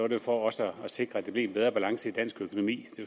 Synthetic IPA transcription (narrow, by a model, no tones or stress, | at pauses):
ɔɾ̥efɒɒ̽səːse̝ɡ̥ʁɐæd̥e̝b̥liɐe̝nbeð̞ˠɐb̥ælɑ̈ŋsəid̥æn̰sɡ̥økʰo̝no̝mḭːd̥e̝